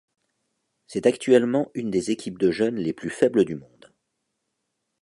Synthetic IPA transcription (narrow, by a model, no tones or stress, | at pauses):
sɛt̪akt̪ɥɛlmɑ̃ynd̪ezekʲʰip̚d̪əʒœnleplyfɛbləd̪ymɔ̃d̪